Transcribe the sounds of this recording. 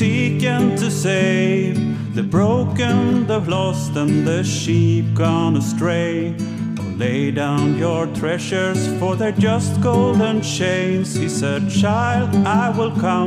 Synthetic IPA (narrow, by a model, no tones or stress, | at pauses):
ikɨ̃ntʰɨseɪv | ðɨbɹoʊkɨ̃nðəlɔstə̃nðɨʃip̚ɡ̥ɔ̃nəstɹ̥eɪ | əleɪdãʊ̃njə˞tʰɹ̥ɛʃə˞z̥fə˞ðə˞d͡ʒʌst̚ɡ̥oʊlˠdə̃nt͡ʃẽɪ̃nz̥hisɛd̚t͡ʃʰaɪlˠdaɪwɪlˠkʰʌ̃